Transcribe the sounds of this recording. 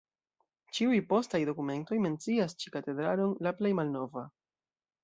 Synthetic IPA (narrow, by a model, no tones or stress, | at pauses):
t͡ʃiujpo̞stajdo̞kume̞nto̞jme̞nt͡siast͡ʃi̥kate̞dɾano̞nlaple̞jmalno̞va